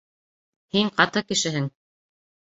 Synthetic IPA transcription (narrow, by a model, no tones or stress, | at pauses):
hiŋqɑt̪ɤkɘ̆ʃɘ̆ɦɘŋ